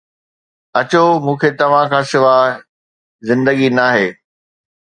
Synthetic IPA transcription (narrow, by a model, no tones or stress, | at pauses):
ɐt͡ɕomũːkʰet̪ɐʋ̤ãkʰãːsɪʋaː | zɪ̃nd̪əɡinaːɦeː